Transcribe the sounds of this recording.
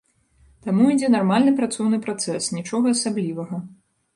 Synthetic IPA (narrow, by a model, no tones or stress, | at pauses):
t̪amuid͡zʲɛnarmalʲnɨpɾat̪sɔwnɨpɾat̪sɛsnʲit͡ʂɔɣɐːsablʲivɐɣɐ